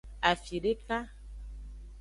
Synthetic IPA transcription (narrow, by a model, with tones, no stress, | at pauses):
a˨fi˨ɖe˦ka˦